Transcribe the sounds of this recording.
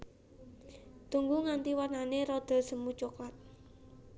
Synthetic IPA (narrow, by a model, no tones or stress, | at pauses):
t̪uŋɡuŋant̪iwananeɾod̪̥ə̤lsəmut͡ʃoklat̪̚